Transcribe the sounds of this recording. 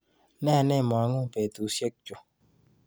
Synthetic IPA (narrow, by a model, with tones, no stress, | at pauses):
nɛ˦a˨ne˦˨mɔ˨a˨˦ŋʊ˦˨pe˨tu˨˦sje˦k̚t͡ʃo˨